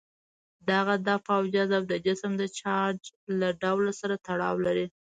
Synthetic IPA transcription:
d̪aɣad̪ɑfawd͡ʒazabd̪əd͡ʒɪsmd̪ət͡ʃɑɾd͡ʒlaɖawlsaɾat̪aɽɑ̰wlaɾi

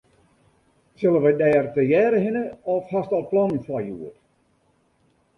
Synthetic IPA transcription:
sɪlˠəʋəjdɛːrtəjɛːɾəɦɪnəɔfhastɔlˠplɔnnfwɔjṵər

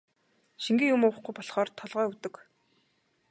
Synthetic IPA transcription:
ʃiŋɡĭŋjʊmʊːwə̆χɡujpɔɮχɔːrt̪ʰɔɮʁœːut̪ɵ̆k

